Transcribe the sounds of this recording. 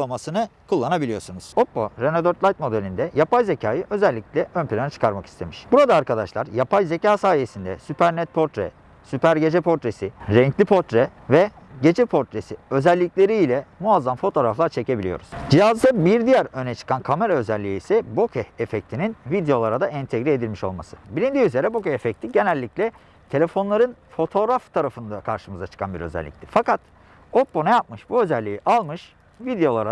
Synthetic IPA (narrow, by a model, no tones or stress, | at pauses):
lˠamasɯnɯkʰulˠːanabilʲijo̞ɾsunuz̥o̞pːoɾenod̪øɾt̪lʲˠajt̪̚mo̞d̪elʲind̪ɛjapajze̞cʰaːjɯʔø̞zɛlʲːiclʲɛønpilʲanat͡ʃʰɯ̥kʰaɾmaki̥st̪ʰe̞miʃbuɾad̪aːɾkʰad̪aʃlˠaɾjapʰajze̞caːsaːjesind̪ɛ̰sypʰæɾnɛt̪̚pʰo̞ɾt̪ɾɛ̰ | sypæɾɟe̞d͡ʒɛpʰo̞ɾt̪ɾesiɾɛɲclʲipʰo̞ɾt̪ɾɛvɛɟe̞d͡ʒɛpʰo̞ɾt̪ɾesiø̞zɛlʲːiclʲe̞ɾiːlʲɛmuazːamfo̞t̪ʰo̞ːɾaflˠaɾt͡ʃʰe̞ce̞bilʲijo̞̰ɾuz̥d͡ʒijazd̪abiɾd̪ijæɾø̞nɛt͡ʃʰɯ̥kʰankʰame̞ɾaø̞zɛlʲːijiisɛbo̞kʰɛefɛc̚t̪ʰininvid̪ejo̞lˠaɾad̪aʔɛnt̪ʰeɡɾɛed̪ilʲmiʃo̞̰lˠma̰sɯ̥bilʲind̪iːyze̞ɾɛbo̞kɛefɛc̚t̪ʰiɟe̞nɛlʲːicʲlʲɛ | t̪ʰe̞lʲe̞fo̞nlˠaɾɯnfo̞t̪ʰo̞ɾaft̪ʰaɾafɯnd̪akʰaɾʃɯmɯzat͡ʃʰɯ̥kʰa̰nbiɾø̞̰zɛ̰lʲːḭct̪ʰʲɛfakat̪ | o̞p̚bo̞nɛjap̚mɯʃbuø̞zɛlʲːijiʔalˠmɯʃ | vid̪ejo̞lˠaɾa